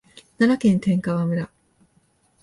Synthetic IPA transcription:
nanakẽ̞nt̪ẽ̞ŋkaβamɯ̟ɾa

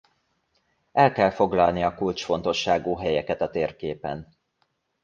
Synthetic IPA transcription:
ɛlkɛlfo̞ɡlɒlniɒkult͡ʃfo̞nt̪o̞ʃːaːɡuːɦɛjɛkɛt̪ɒt̪eːrkeːpɛ̰n

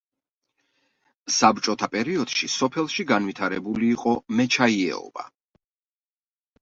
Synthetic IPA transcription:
sabɾt͡ʃʼɔt̪ʰapʼɛɾiɔd̪̥ʃisɔpʰɛlˠʃiɡanvwit̪ʰaɾɛbuliːqʼɔmɛt͡ʃʰaiɛ̰ɔ̰ba̰

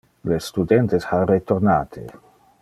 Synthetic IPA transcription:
lest̪ud̪ɛnt̪esharet̪ornaːt̪ʰḛ

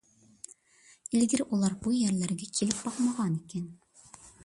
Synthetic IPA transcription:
ilɡɘɾulˠɑɾbujjæɾlæɾɡækʰilɘp̚bɑqmɑʁɑnikæn

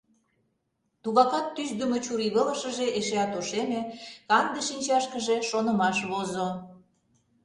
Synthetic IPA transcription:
t̪uɣɑkɑt̪ːyʃd̪ə̆met͡ɕuɾiβələʃə̆ʒeʔeʃeɑt̪oʃemĕkɑnd̪eʃinʲt͡ɕɑʃkəʒe̽ʃonə̆mɑʃβozo

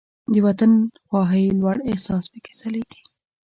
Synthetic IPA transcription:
d̪əwat̪anxwɑɦəjlwaɽehsɑspəke̥saleɡ̥i̥

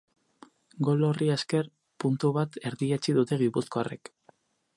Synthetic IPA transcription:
ɡo̞lo̞rieske̞r | punt̪uβat̪e̞ɾðiet͡ʃiðut̪e̞ɣipuskoare̞̰k

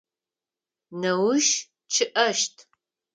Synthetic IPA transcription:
nɐwʊʃ | t͡ʃʰɨʔɐʃtʰ

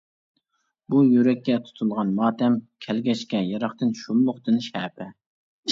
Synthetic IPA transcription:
bujøɾɛkʲːɛt̪ʰu̥t̪ʰulˠʁɑnmɑːt̪ɛmkʲʰɛlɡʲɛt͡ʃkʲɛjɑɾɑχt̪ɨnʃullʊχt̪ɨnʃɛːpʰɛ

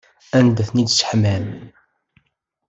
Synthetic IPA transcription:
ænd̪æθnid̪sħmæm

